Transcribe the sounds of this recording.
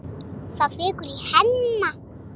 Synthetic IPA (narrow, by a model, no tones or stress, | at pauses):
safekuɾihanːa